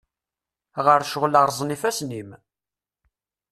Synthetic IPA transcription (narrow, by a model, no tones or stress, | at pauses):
ʁəɾʃəʁləɾˤzˤnifæsnim